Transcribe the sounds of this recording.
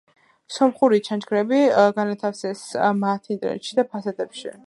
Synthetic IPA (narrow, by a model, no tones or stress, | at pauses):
sɔmχuɾit͡ʃʰant͡ʃɡɾɛbiɡanat̪ʰafsɛsmat̪ʰint̪ʼɾɛ̰ʃid̪apʰasat̪ʼɛpʃḭ